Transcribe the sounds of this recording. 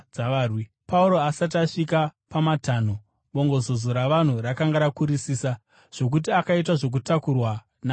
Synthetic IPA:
aʋaːrwi | pauɾo̞asat̬aʂikapamataːn̤o | ɓo̞ŋɡo̞zo̞zoɾaʋan̤urakaŋɡaɾakuɾisiːsa | ʐ̥o̞k̬ut̬iakait̬aʐo̞k̬utakurwa | na

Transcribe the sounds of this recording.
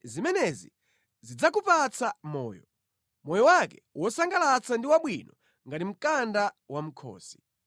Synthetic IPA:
zimɛnɛzḭ | zid͡zakupat͡samɔ̰ːjɔ | mɔjɔwakɛwɔsaŋɡalat͡sandiwaɓwinɔ | ŋɡatim̩kanda | wam̩kʰɔ̰ːsi̥

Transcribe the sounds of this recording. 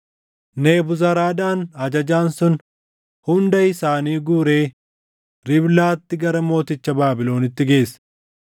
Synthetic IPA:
ne̞ːbʊzɐɾaːd̪aːnɐd͡ʒɐd͡ʒaːnsʊn | hʊnd̪ɐjɪsaːniːɡuːɾe̞ː | ɾɪblaːt̪ːɪɡɐɾɐmo̞ːt̪ɪt͡ʃːɐbaːbɪlo̞ːnɪt̪ːɪɡe̞ːsɐ̥

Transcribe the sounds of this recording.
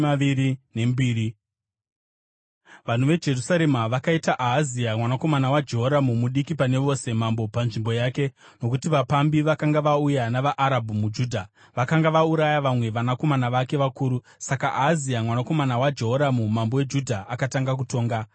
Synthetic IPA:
aʋiɾine̞mbiːɾi | ʋan̤uʋe̞d͡ʒe̞rusaɾe̞maʋakaitaʔaɦːziamwanako̞manawad͡ʒe̞ɦoɾamumuɗikipane̞ʋo̞se̞mambo̞panʐimbo̞jaːke̞ | no̞kutiʋapambiʋakaŋɡaʋaujanaʋaʔːɾabʱumud͡ʒuːdʱa | ʋakaŋɡaʋauɾajaʋamwe̞ʋanako̞manaʋake̞ʋakuːɾu | sakaʔaɦːziamwanako̞manawad͡ʒe̞ɦoɾamumambowe̞d͡ʒudʱaakataŋɡak̬uto̞ːŋɡa

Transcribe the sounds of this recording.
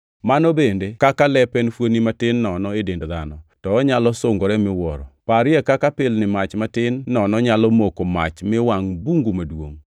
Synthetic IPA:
manobendekakalɛpɛnfwonimatɪnːɔnɔedendðanɔtɔːɲalɔsoŋɡoɾɛmɪwɔɾɔ̰paɾɪɛkakapɪlnɪmat͡ʃmatɪnːɔnɔɲalɔmokoma̰t͡ʃmɪwaŋbuŋɡumadwo̰ŋ

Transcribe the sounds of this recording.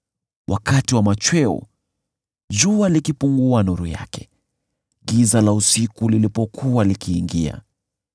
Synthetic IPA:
wʔa̰katiwamat͡ʃwɛṵ | d͡ʒualikipuŋɡuanuɾṵja̰kʰɛ̥ | ɡizalausikulilipɔkʰualikiːŋɡia̰

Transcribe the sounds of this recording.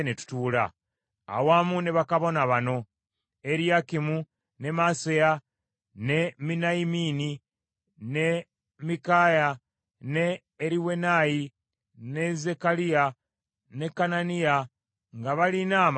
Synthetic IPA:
netu̥tuːla̰ | a̰wamuneβakaβo̞naβano̞ | eɾjakimu | ne̞maseja | ne̞minaimini | ne̞ | mikaja | neː | ɾiwe̞naji | ne̞ze̞kalija | ne̞kananija | ŋɡaβalinaːm

